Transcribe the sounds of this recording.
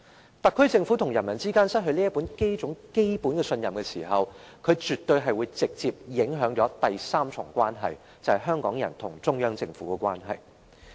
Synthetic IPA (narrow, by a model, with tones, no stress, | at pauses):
t̪ɐ˨kʰːɵ˥ɥt͡sɪ˧ŋfu˨˥t̪ʰʊ˨˩ŋjɐ˨˩nmɐ˨˩nt͡siː˥kaː˥nsɐ˥t̚ɦɵ˧ɥliː˥jɐ˥tpːuː˨˥nke˥jt͡sʊ˨˥ŋke˥jpuː˨˥nkɛː˧sɵ˧njɐ˨mkɛː˧sḭː˨˩ɦɐ˨wkʰɵ˨˧t͡ʃyː˨t̪ːɵ˧jɦɐ˨jwuː˨˧jt͡sɪ˨k̚t͡siː˧p̚jɪ˨˥ŋɦœː˨˥ŋt͡ʃɔː˨˥t̪ɐ˨jsaː˥mt͡sʰʊ̰˨˩ŋkʷaː˥nɦɐ̰˨j | t͡sɐ˨˧hɐ˨˩ɦœː˥ŋkɔ̰ː˨˥ŋjɐ̰˨˩nt̪ʰʊ˨˩ŋt͡sʊ˥ŋjœː˥ŋt͡sɪ˧ŋfuː˨˥kɛ˧kʷwaː˥nɦɐ̰˨j